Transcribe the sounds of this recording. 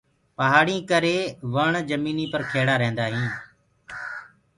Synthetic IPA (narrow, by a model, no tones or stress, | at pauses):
pəɦaːɽĩːkəɾeːʋəɳd͡ʒəmiːniːpəɾkʰeːɽaːɾẽːnd̪aːɦĩː